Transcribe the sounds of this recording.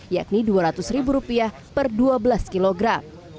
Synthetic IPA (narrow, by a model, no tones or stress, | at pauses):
ja̰k̚niduaɾat̪ʊsɾibuɾupiah | pərduabəlaskiloɡɾam